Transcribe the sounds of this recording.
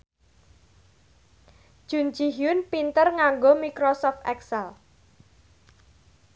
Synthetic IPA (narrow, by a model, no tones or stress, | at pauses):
d̥ʒ̥ṳn̥d͡ʒiɦiʊnpint̪ərŋaŋɡomikɾosɔft̪ʔɛksɛl